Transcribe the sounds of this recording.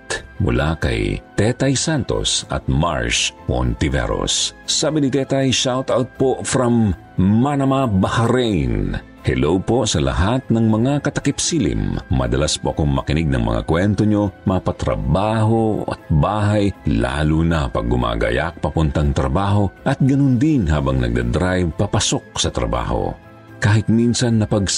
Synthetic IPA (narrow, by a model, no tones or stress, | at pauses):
t̪mʊ̰lakɐ̰jt̪ɛt̪ɐjsant̪o̞̰sɐ̰t̪̚ma̰ɹʃo̰nt̪ɪvɛ̰ɾo̰ssaːbɪnit̪ɛt̪ɐjʃawt̪awt̪̚pofɾɐmː | anɐmabɐhɐɾɛjn | hɛ̰lowpo̞sɐlɐ̰ɦat̪̚nɐŋmɐŋakɐt̪ɐkɪpsilḭmːɐ̰d̪ɐlaspoʔɐkoŋmɐ̰kɪnɪɡ̚nɐ̰ŋmɐ̰ŋa̰kwɛnt̪oɲomapɐt̪ɾɐ̰baːɦoɐ̰t̪̚baːɦajla̰ːlunɐpɐ̰ɡ̚ːʊmʔa̰ːɡɐ̰ja̰k̚pɐpʊnt̪ɐŋt̪ɾɐbaːɦo̞ʔɐt̪̚ɡɐnond̪ɪnɦaːbɐŋnɐ̰ɡ̚d̪a̰d̪ɾajvpɐpɐsok̚sɐt̪ɾɐ̰ba̰ːho̞̰ | kaːhɪt̪̚minsɐnːɐpɐɡ